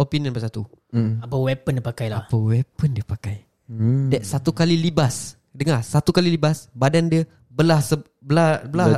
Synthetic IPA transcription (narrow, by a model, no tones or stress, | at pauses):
opinə̃nbaʔsat̪uapəwɛpəndiəpakajlapəwɛpəndiəpakaj | dɛt̪̚sat̪ukalilibas | dəŋasat̪ukalilibasbadandiə | bəlahsə | bəlabəla